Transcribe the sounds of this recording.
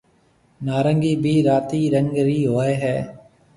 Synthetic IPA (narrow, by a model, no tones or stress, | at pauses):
naːɾəŋɡiːbʱiːɾaːt̪iːɾəŋɡɾiːɦoːeːɦɛː